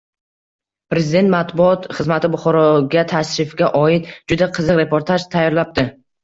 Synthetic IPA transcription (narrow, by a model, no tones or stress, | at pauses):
pɾe̞zɪd̪e̞nt̪mat̪bʊɒt̪χɨzmat̪ʰɪbʊχɒɾɒɡʲat̪ʰaʃɾɪfɡʲaʔɒɪt̪d͡ʒʊd̪aqʰɨzɨqɾe̞pʰoɾt̪ʰaʒt̪ʰajːɒɾlap̚t̪ɪ